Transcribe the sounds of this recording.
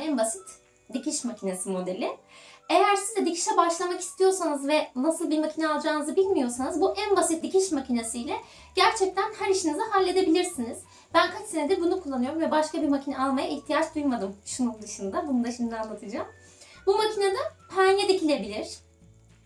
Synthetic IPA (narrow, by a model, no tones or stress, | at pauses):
ænbasi̥t̪ | d̪icʰiʃmacʰinesɯmo̞d̪elʲɪejæɾsizd̪ɛd̪icʰi̥ʃɛbaʃlˠamaki̥st̪ʰijo̞ɾsanɯzvɛnasɯlˠbiɾmacʰinɛalˠd͡ʒaːnɯzɯbilʲmijo̞ɾsanɯzbuʔænbasit̪̚d̪icʰiʃmacinasɯjlʲɛ | ɟ̥æɾt͡ʃʰɛc̚t̪ʰænhæɾiʃinizɯɦalʲːe̞d̪e̞bilʲiɾsiniz̥ | bænkʰat͡ʃsenɛd̪ɛbunukʰulˠːanɯjo̞ɾumvɛbaʃkabiɾmacʰinɛalˠmajaiçt̪ʰijat͡ʃd̪ujmad̪ɯmʃunund̪ɯʃɯnd̪abunud̪aʃind̪anlˠat̪ʰɯd͡ʒaːm | bumacʰinad̪apʰanjed̪icʰilʲe̞bilʲiɾ̝̥